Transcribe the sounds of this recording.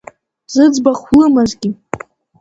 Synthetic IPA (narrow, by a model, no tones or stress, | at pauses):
z̥ɨd͡zbaχlɨmazɡʲi